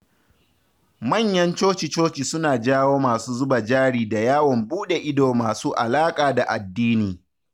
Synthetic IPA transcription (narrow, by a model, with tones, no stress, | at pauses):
mɐ˦˨ɲjɐ˦nt͡ʃoː˦t͡ʃi˨t͡ʃoː˦t͡ʃi˨sʊ˦naː˨d͡ʒaː˦woː˦maː˨suː˦zʊ˦ba˨d͡ʒaː˦ɽiː˨da˨jaː˦wɔ˨mbuː˦ɗe˨ʔɪ˦doː˨maː˨suː˦ʔa˨laː˦kʼaː˨da˨ʔa˨dːiː˦niː˨